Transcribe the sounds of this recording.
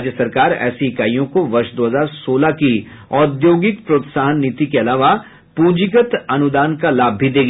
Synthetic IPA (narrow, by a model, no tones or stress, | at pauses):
d͡ʒjəsɐɾkaːɾɛ̰ːsikaːijõkoʋɐɾʃd̪oːɦəzaːɾsoːlaki | ɔːd̪joːɡɪkpɾoːt̪saːɦənːit̪ikeɐlaːʋa | pũːd͡ʒɪɡət̪ɐnʊd̪aːnkalaːbʱːid̪eːɡ